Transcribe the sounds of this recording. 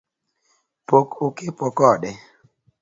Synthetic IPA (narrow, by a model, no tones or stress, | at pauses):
pokʊkɪpɔkɔɗɛ